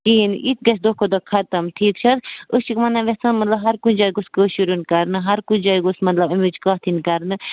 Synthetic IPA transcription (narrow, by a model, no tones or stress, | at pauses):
kiːnit̪̚ɡɐsʰd̪oːkʰod̪okʰɐt̪ɐmtʰiːkt͡ʃʰɐɾoʃikmɐnɐʋesɐnmɐt̪lɐbɦɐɾkunʲd͡ʒaːjɡuskəʃuɾunkɐɾnɨɦɐɾkud͡ʒaːjɡusmɐt̪lɐbɐmit͡ʃkaːt̪ʰinkɐɾnɨ